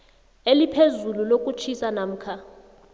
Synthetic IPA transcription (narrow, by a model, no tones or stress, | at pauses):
elipʰezululokʼut͡ʃʰisanam̩ːkʰa